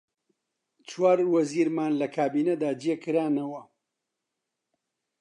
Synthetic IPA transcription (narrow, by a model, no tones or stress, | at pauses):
t͡ʃwaːɾwɐziːɾmaːnlɐkʰaːbiːnɐd̪aːd͡ʒiekɨɾaːnɐwɐ